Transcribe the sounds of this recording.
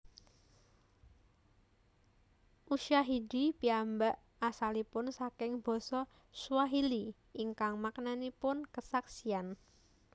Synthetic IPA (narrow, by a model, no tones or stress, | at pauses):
ʔuʃaɦidipiambaʔ | asalipʊnsakɪŋb̥ɔsɔ | suwaɦili | iŋkaŋmaknanipʊnkəsaksian